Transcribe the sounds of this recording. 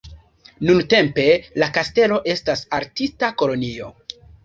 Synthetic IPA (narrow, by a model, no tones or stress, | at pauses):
nunte̞mpe̞lakaste̞lo̞ʔe̞stasaɾtistako̞lo̞nio̞